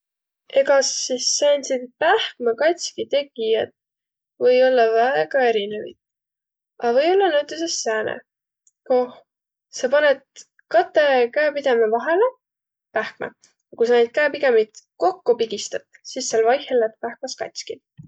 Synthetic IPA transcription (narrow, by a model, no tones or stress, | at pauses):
e̞ɡɑsisːenʲsid̪pæhkmɑkɑjt̪ʲsʲkit̪e̞ɡijɑt̪ | vɤjo̞lːɑvæeɡ̥ɑe̞ɾine̞vḭt̪̚ | ɑvɤ̞jo̞lːɑnæwt̪ːˑes̬esːæːnḛ | koh | sɑpɑnet̪̚ | kɑt̪ːˑekæːpid̪̥emevɑɦe̞le | pæhk̚mɑ̰ | jɑkujsɑnejd̪̥̚kæːpiɡemit̪ko̞kːupiɡ̥ist̪ɑt̪sisːelvɑjhelːet̪pæhk̚mɑskɑ̰jt̪ʲski